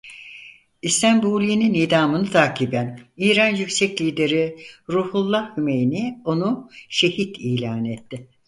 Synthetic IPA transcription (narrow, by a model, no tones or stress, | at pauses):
ist̪ʰæmbuːlʲijninid̪aːmɯnɯt̪ʰaːkʰibæniːɾanjycsɛclʲiːd̪e̞ɾiɾuːhulˠːahhyme̞jinio̞nuʃe̞hit̪ʰiːlʲaːnet̪ːɪ